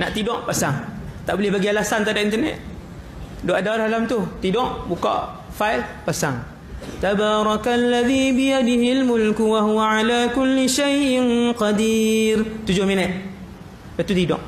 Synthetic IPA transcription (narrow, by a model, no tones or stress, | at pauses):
naʔt̪idɔʔpasaŋt̪aʔbolɛhbaɡialasant̪aʔdaʔint̪ənɛ̰t̪̚ | doʔadalahalamt̪ʊht̪idɔʔbukɔ̰ʔ | fajlpasaŋ | t̪abaːɾˤɑkalːaðiːbɪjad̪ɪɦɪlmʊlkwaɦuwaʕalaːkʊlːɪʃajʔɪnqɑd̪irt̪ud͡ʒʊhminɛt̪̚ | bat̪ut̪idɔ̰ʔ